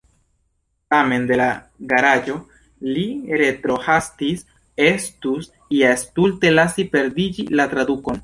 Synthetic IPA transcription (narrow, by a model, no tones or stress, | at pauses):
tame̞nd̪e̞la | ɡaɾad͡ʒo̞ | liɾe̞t̪ɾo̞hastis | e̞stus | iastulte̞lasipe̞ɾdid͡ʒḭlat̪ɾaduko̞n